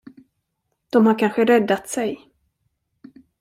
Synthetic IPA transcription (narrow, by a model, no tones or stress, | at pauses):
d̪̥ɔmhaɾkʰanɧəɾɛd̪ːat̪sɛj